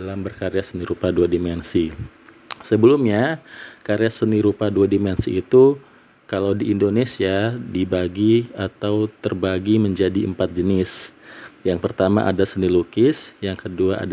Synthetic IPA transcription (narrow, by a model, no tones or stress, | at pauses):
alambərkaɾeasəniɾupaduadimɛnsi | səbəlumɲakaɾeasəniɾupaduadimɛnsḭːt̪u | kalawdiʔːndonesiadibaɡiat̪awt̪ərbaɡiməɲd͡ʒadiəmpat̪̚d͡ʒənɪsjaŋpərt̪ama̰ʔa̰dasənilukɪsjaŋkəduaʔa̰d